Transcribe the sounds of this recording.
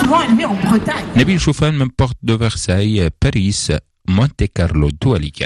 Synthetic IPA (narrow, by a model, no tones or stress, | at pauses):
vwãnviɑ̃bʁət̪aɲnabilʃofanmɛ̃mpɔʁt̪̚d̪əvɛʁsajpaʁis | mɔ̃nt̪ekaʁlod̪ualika̰